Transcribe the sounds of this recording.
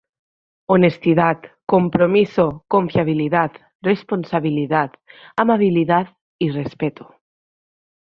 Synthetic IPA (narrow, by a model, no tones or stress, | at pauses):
onest̪iðat̪kompɾomisokoɱfjaβ̞iliðat̪ | responsaβiliðat̪amaβiliðat̪ | irespet̪u̥